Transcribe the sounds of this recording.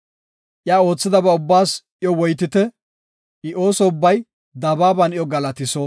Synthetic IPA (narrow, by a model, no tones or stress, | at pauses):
ʔjaːo̞ːt͡sːɪd̪ɐbɐʊbːaːs | ɪjɔwɔjt̪ɪt̪ɛ | ɪʔo̞ːsɔʊbːɐj | d̪ɐbaːbɐnɪjɔɡɐlɐt̪ɪsoː